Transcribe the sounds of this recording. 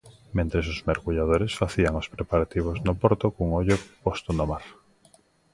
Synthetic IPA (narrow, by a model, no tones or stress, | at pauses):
mẽnt̪ɾesozmeɾɣuʎað̞oɾesfaθiaŋospɾepaɾat̪iβ̞oznopoɾt̪okuŋoʎopost̪onomaɾ